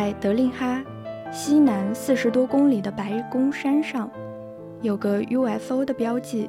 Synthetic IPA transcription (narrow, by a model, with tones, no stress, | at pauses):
t͡sa˥˩ɪt̪ɤ˧˥li˥˩xa˥ | ɕi˥na˧˥nsɹ̩˥˩ʂɻ̩˧˥t̪wɔ˥kʊ˥ŋli˨˩d̪ə˦pa˧˥ɪkʊ˥ŋʂa˥nʂɑ˥˩ŋ | jo˨˩ʊɡə˦u˥ɛ˥˩fo˥ʊd̪ə˨pjɑ˥ʊt͡ɕi˥˩